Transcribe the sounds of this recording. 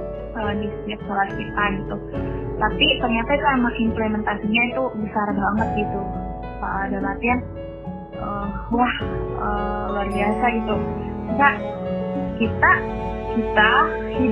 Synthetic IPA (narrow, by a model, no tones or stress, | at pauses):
kalanisd͡ʒak̚balaskit̪aɡit̪ut̪apit̪ərɲat̪ait̪uamaʔimplemɛnt̪asiɲait̪ubəsarbaŋət̪̚ɡit̪u | paʔadanat̪ian | ʔəːwahəluarbiasaɡit̪uisa | kit̪akit̪a